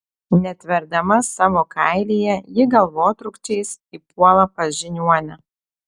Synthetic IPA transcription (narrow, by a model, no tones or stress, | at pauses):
nʲɛt̪ʲʋʲɛɾd̪ɐmɐsɑːʋoːkɐɪlʲiːjɛjɪɡɐlˠʋoːt̪ɾʊkt͡ʃʲɛɪs | iːpuɔlˠɐpɐʒʲɪnʲuɔnʲɛ